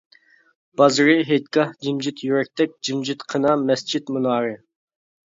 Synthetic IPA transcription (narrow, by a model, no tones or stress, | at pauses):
b̥ɑzɾɨɦet̪̚kɑhd͡ʒimd͡ʒit̪ʰjyɾɛk̚ʲt̪ʰɛk̚ʲd͡ʒimd͡ʒit̪qʰənɑmɛst͡ʃʰit̪munɑːɾɨ